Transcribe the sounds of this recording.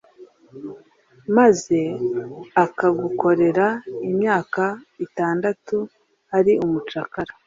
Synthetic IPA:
maze̞ | akaɡuko̞ɾe̞ɾaimɲaːkaitaːndatu | aɾiʔumut͡ʃakaɾa

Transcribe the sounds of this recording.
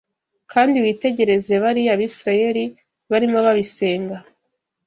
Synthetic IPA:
kʰaːndiwiːte̞ɟe̞ɾe̞ze̞βaɾiaβisɾaje̞ɾi | βaɾimo̞βaβise̞ːŋɡa

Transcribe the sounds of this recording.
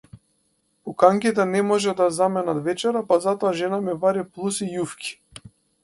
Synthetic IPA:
pukaŋkit̪ɛnɛmɔʒɛd̪azamɛnat̪vɛt͡ʃɛɾapazat̪ɔaʒɛnamɛvaɾiplˠusijufkʲʰi̥

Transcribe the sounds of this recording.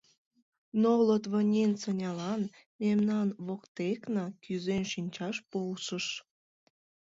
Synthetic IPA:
nolot̪βənʲent͡sənʲɑlɑn | memnɑnβokt̪eknɑkyzenʃinʲt͡ɕɑʃpolʃəʃ

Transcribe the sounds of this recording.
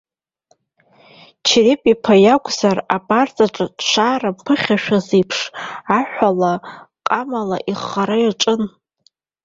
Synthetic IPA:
t͡ʃʰirepʼipʰajakʷʰʼz̥arapʼart͡sʼaʈ͡ʂʼadʃʷʰaːrampʰɨχʲaʃᶣazejpʰʂaħᶣʷalaqʼamala̰ʔiχːaɾajaʈ͡ʂʼɨn

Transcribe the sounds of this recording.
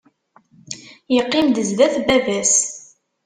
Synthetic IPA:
jəqːɪmd̪əzðæθbævæs

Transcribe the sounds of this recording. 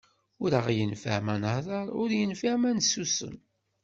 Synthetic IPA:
ʊɾəʁjənfə̰ʕmænhðˤɑɾˤʊɾjənfiʕmænsusə̰n

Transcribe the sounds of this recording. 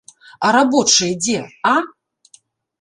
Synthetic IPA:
ɐɾabɔt͡ʂɨjɛd͡zʲɛa

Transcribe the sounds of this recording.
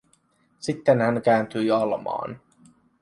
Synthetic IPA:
sit̪ːenhæŋkæːnt̪yjɑlmɑ̰ːn

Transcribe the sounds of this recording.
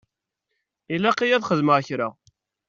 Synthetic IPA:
ilæqijæðχəðməʁçɾa

